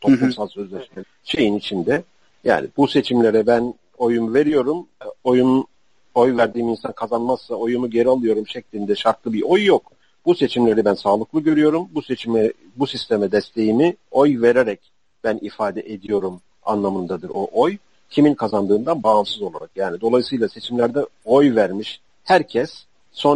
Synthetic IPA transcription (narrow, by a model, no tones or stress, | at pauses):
t̪ʰoplˠusalˠsø̞zlʲɛʃme | ʃe̞jinit͡ʃʰind̪ɛ | ja̰ːnḭbuse̞t͡ʃʰimlʲe̞ɾɛbæn | o̞jumve̞ɾijo̞ɾumo̞jun | o̞jvæɾd̪iːminsankʰazanmassao̞junuɟe̞ɾialˠɯjo̞ɾumʃɛclʲind̪ɛʃaɾklˠɯbiʔo̞jːok | buse̞t͡ʃʰimlʲe̞ɾibænsaːlˠɯklˠɯɟø̞ɾyjo̞ɾumbuset͡ʃʰimɛ | busist̪ʰemɛd̪ɛst̪ʰe̞jinio̞jve̞ɾeɾɛc̚ | b̥ænʔifaːd̪ɛʔed̪ijo̞ɾum | a̰nlˠamɯnd̪ad̪ɯɾo̞ʔo̞j | cʰiminkʰazand̪ɯːnd̪anbaːmsɯzo̞lˠa̰ɾakjaːnid̪o̞lˠajsɯjlˠase̞t͡ʃʰimlʲæɾd̪ɛo̞jvæɾmiʃ | hæɾcʰɛsː | o̞